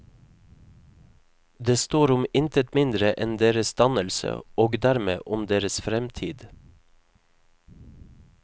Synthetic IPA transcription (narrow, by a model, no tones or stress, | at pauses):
d̪eːst̪oːɾʊmɪnt̪ət̪mɪnd̪ɾəʔɛnd̪eːɾəsd̪ɑnəlsə̰oːɡd̪æɾmḛːʔʊmd̪eːɾəsfɾɛmt̪ʰiːd̪